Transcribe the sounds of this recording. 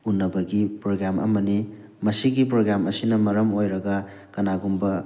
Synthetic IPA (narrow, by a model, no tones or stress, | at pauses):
unːɐbɐɡipɾoɡamʔɐ̰mɐni | mɐsiɡipɾoɡɾamɐsinɐmɐɾɐmojɾɐɡɐ | kɐnaɡumbɐ